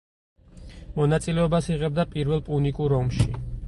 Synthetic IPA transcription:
mɔnat̪sʼilɛɔbasiʁɛb̚d̪apʼiɾwɛlˠpʼunikʼuɾɔmʃi

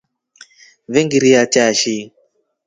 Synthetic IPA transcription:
βeŋɡiɾijat͡ʃaʃi

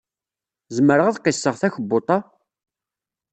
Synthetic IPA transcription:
zəməɾəʁaðqːɪsːəʁθæçəbːot̪ˤɑ

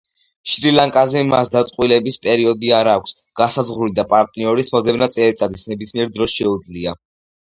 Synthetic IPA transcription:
ʃɾilaŋkʼazɛmasd̪at̪sʼqʼwilɛbispʼɛɾiɔd̪iaɾaːkʷʰs | ɡ̥asazʁɾulid̪apʼaɾt̪ʼniɔɾismɔd̪ɛbnat̪sʼɛlit̪sʼad̪ʰisnɛbismiɛɾd̪ɾɔsʃɛud̪zlia

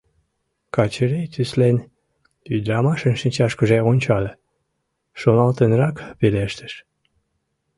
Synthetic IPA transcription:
kɑt͡ɕəɾejt̪yslenʲ | yd̪ɾɑmɑʃənʃənʲt͡ɕɑʃkəʒeonʲt͡ɕɑlə | ʃonɑlt̪ənɾɑkpeleʃt̪ə̥ʃ

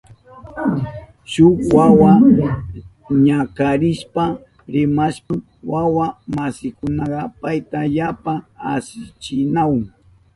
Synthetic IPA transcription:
ʃʊkwawa | ɲakaɾɪʃpa | ɾɪmaʃa | wawamasɪkʊnɑɢɑpajt̪aʎapaa̰sɪt͡ʃɪnawŋ

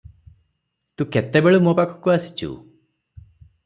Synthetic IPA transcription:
t̪ũket̪ebeɭumopakʰɔ̥kɔasi̥t͡ʃʰṵ

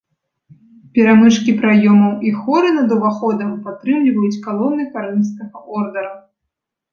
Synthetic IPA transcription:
pʲɛɾamɨʂkʲipɾajɔmɐwixɔɾɨnɐd̪uvaxɔd̪ɐmpat̪ɾɨmlʲivɐjut͡sʲkalˠɔnɨkaɾɨmskɐɣɐʔɔrd̪ɐɾɐ

